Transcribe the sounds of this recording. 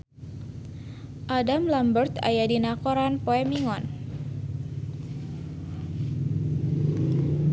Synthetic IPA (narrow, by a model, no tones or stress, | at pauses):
ʔadamlambərt̪a̰jadinakɔɾanpɔɛmiŋɔn